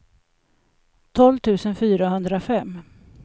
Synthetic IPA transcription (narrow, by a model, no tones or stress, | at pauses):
t̪ʰɔlvt̪ʰʉ̟ːsənfyːɾaɦɵnd̪ɾafɛmː